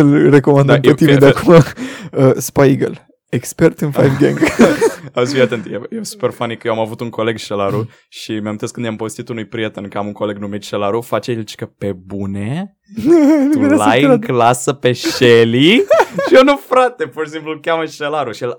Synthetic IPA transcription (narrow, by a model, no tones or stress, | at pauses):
ɨlreko̞mãnd̪əmpet̪imed̪eakumaəspajɡə̰l | ekspert̪ɨnfajvɡãŋɡazviat̪ɨnt̪jejesu̥pe̞rfanikəjewamavut̪uŋko̞le̞ɡʃelaɾu | ʃimeamint̪eskɨnd̪jampovest̪it̪unujpɾiet̪ənkəamuŋko̞leɡnumit̪ʃelaɾufat͡ʃelt͡ʃkəpebune | uelajkklasəpe̞ʃeliʃijenufɾat̪e̞purʃisimplukʲjaməʃelaɾuʃiel